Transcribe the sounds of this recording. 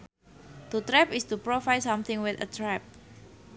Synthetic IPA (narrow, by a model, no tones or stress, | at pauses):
t̪ut̪ɾɛpɪst̪upɾofajsamt̪ɪ̃ŋwɪθə̰t̪ɾɛp̚